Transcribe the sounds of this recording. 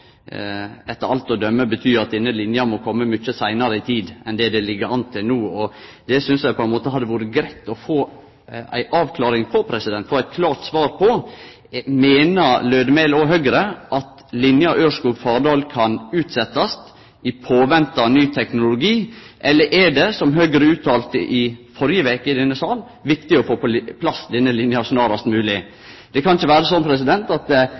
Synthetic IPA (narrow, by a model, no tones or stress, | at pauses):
ɛt̪ːəɾɑlt̪ɔd̪œmːəbət̪ʰyːɾɑt̪̚ɪnːəlɪnjɑmɔkʰɔmːəmʏt͡ʃːəsæɪnɑɾəɪt̪ʰiːd̪ɛnd̪ɛd̪ɛlɪɡːəɾɑnt̪ʰːɪlnuːɔd̪ɛsʏnsjæɪpʰɔɛnmoːt̪əɦhɑd̪ːəʋuːɾəɡɾæɪt̪ːɔfoː | æ̰ɪʔɑːʋkʰlɑːɾɪŋpʰɔpʰɾɛsɪd̪ɛnt̪fɔæɪt̪̚kʰlɑːʈ̪sʋɑːɾpʰɔ | meːnəɾløːd̪əmɛlɔɦœɡɾəʔɑt̪ | lɪnjɑʔøːʂkufɑːɖɑːlkʰɑnʉːt̪sɛt̪ːɑst̪ | ʔɪpʰoːʋɛnt̪ɑnyːt̪ʰɛknʊlʊɡiːʔɛlːəɾʔɛɖɛsɔmɦœɡɾəʉːt̪ʰɑːlt̪ə̰ʔɪfɔɾjəʋeːkəɪd̪ɛnːəsɑːl | ʋɪkt̪ɪɔfoːpɔpʰlɑsd̪ɛnːəlɪnjɑsnɑːɾɑst̪mʉːlɪ | d̪̥ɛkʰɑnɪçəʋæːɾəsɔnːpʰɾɛsɪd̪ɛnt̪ɑt̪